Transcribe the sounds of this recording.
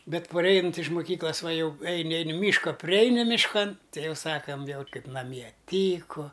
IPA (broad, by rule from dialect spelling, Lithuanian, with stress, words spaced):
ˈbʲɛt pɐˈrʲɛɪnɐnʲtʲ ɪʃ mʊˈkʲiːklˠɐs ʋɐ ˈjɛʊ ˈɛɪnʲɪ ˈɛɪnʲɪ ˈmʲiːʃkɐ pʲrʲɪˈɛɪnʲɪ mʲɪʃˈkɐn ˈtʲɛɪ ˈjɛʊ ˈsɑːkɐm ˈʋʲiɛlˠ ˈkɐɪp nɐˈmʲiɛ ˈtʲiːkʊ